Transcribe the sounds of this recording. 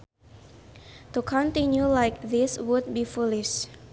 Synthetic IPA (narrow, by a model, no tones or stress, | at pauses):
tukʰɔ̃ntĩnjulaɪk̚ðɪswud̚bifulɪʃ